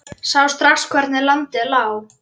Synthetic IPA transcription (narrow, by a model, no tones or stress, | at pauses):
sawst̪ɾaxskʰvɛɾt̪nɪlant̪ɪlaːw